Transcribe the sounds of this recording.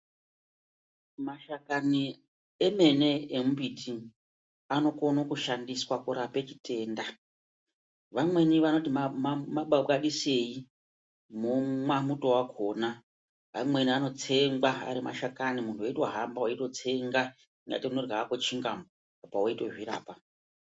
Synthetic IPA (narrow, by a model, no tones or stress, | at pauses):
maʃakani | eme̞ne̞emubitʰi | ano̞ko̞nokuʃandiswakuɾape̞t͡ʃi̥te̞ːnda | ʋamwe̞niʋano̞timaɓaɓaɗise̞i | mumwamuto̞wakʰo̞ːna | amwe̞niano̞t͡se̞ŋɡwaa̰ɾima̰ʃakanimuntʰuweitwaɦambawaito̞t͡se̞ŋɡa | iŋɡa̰tiunorɡaakot͡ʃiŋɡamo | apawaitoʐiɾa̰ːpa